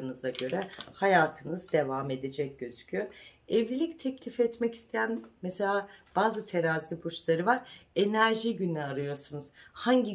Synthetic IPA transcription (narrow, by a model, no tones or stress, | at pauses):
ɯnɯzaɟø̞ɾɛhajaːt̪ʰɯnɯzd̪e̞vaːme̞d̪ed͡ʒɛc̚ɟ̥ø̞zycʰyjoɛvlʲilʲic̚t̪ʰɛclʲifɛt̪mɛci̥st̪ʰejænmese̞lʲaːb̥aːzɯt̪ʰe̞ɾaːzibut͡ʃlˠaɾɯvaɾenæɾʒiɟynɛaɾɯjo̞ɾsunuz̥haɲɟi